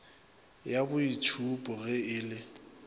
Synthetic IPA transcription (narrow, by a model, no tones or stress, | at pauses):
jabʊit͡ʃʰupʼɔɣɛɪːlɪ